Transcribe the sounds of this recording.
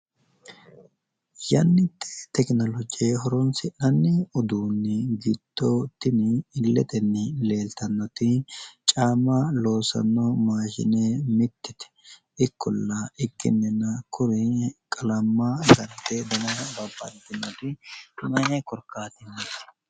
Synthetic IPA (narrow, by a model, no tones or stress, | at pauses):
jɐnːɪt̪ʰːe̥t̪ɛknɔlɔd͡ʒɪjeɦɔɾɔnsɪnɐnːɪɔd̪uːnːɪɡɪd̪̥ːot̪ɪnɪːlːɛt̪ʼɛnːɪle̞ːlt̪ɐnːɔt̪ɪt͡ʃʼaːmɐlo̞ːsɐ̰nːɔmaːʃɪ̰neːmɪt̪ːɪt̪ɛ̥ | ɪkːɔlːɐɪkːɪ̰mːɪnːɐkʰʊɾɪkʼɐlɐmːɐɡɐnt̪ːed̪ɐnɐbɐbːɐ̰nt̪ːɪnːɔt̪ɪmɐnekɔɾkːaːt̪ɪnːɛt̪ɛ̥